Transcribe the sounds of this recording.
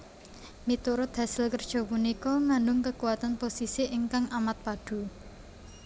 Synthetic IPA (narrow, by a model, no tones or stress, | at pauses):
mit̪uɾʊt̪ɦasɪlkərd̥ʒ̥ɔ̤punikɔmanʊŋkəkuwat̪anposisiʔɪŋkaŋʔamat̪̚paɖ̥ṳ